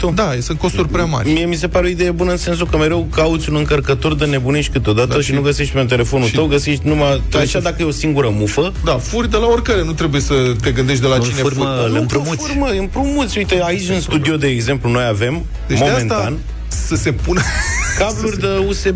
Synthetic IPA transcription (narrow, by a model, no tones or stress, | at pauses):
od̪ajesɨnt̪ko̞st̪urʲpɾʲeama̰ɾmie̞mis̬e̞paɾeoid̪e̞jebunəɨnse̞ns̬ukəme̞ɾe̞wkaut̪sʲunɨŋkərkət̪o̞rd̪əne̞buneʃi̥kɨt̪o̞d̪at̪əʃinnuɡəsiʃt̪̚ʲpent̪̬e̞le̞fo̞nuʃəwɡəsiʃt̪̚ʲnumat̪eʃad̪akəjeo̞siŋɡuɾəmufə | d̪afurʲd̪əlao̞rʲkaɾenut̪ɾe̞buje̞sət̪e̞ɡɨnd̪e̞ʃt̪d̪elat͡ʃineməpɾorməɨnpɾomut̪sʲujit̪eait͡ʃʲɨnst̪ud̪io̞d̪e̞ːɡze̞mpluno̞jave̞m | emo̞eme̞nt̪an | səse̞punkablurʲd̪əuse